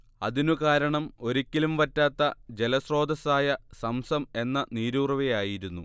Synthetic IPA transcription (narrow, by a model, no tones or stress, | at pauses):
ɐ̰ðinukaːɾɐɳɐmo̞ɾikʲːilumʋɐtːaːt̪ːɐd͡ʑe̞lɐsro̞ːd̪ɐsaːjɐsɐmsɐme̞nːɐniːɾuːrɐʋejaːjiɾunːu